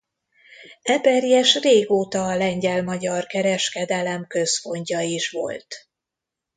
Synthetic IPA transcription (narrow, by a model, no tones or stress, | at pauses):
ɛpɛrjɛʃreːɡoːt̪ɒːlɛɲɟɛlmɒɟɒrkɛɾɛʃkɛd̪ɛlɛmkøspo̞ɲcɒiʃʋo̰lt̪